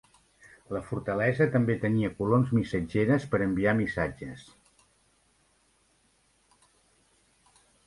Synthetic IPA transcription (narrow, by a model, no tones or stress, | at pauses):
ləfuɾt̪əlɛzət̪əmbet̪əniəkulomzmisəd͡ʒeɾəspəɾəmbiamisad͡ʒəs